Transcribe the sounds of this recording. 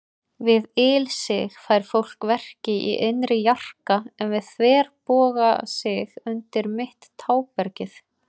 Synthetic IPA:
vɪðɪlsɪɣfaːjɾ̥fowl̥kvɛr̥cɪʔḭʔenɾɪjar̥kaɛnvɪðθvɛːɾpɔːɣa̰sɪɣʏnt̪ɪɾmɪht̪ʰːaːwpɛɾcɪθ

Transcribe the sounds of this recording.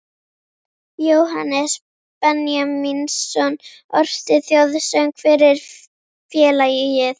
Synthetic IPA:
joːwɦa̰nɛs | pɛnjaminsːɔn | ɔɾ̥st̪ɪθjoðsœŋkʰfɪɾɪɾ̥ | fjɛːlajɪjɪθ

